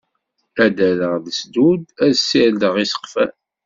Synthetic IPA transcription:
æd̪æləʁðəsd̪ud̪æðsːild̪əʁisə̥qfæ̰

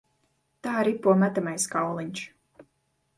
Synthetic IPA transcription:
t̪aːɾipːuɔmæt̪amajskawlˠiɲʲt͡ʃ

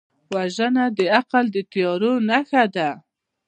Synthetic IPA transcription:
waʒənad̪əaqald̪ət̪jɑɾonaxad̪a

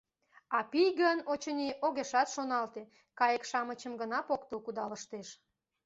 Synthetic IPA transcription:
ɑpijɡənot͡ɕəniʔoɣeʃɑt̪ʃonɑlt̪e | kɑjəkʃɑmət͡ɕəmɡənɑpokt̪əlkud̪ɑləʃt̪eʃ

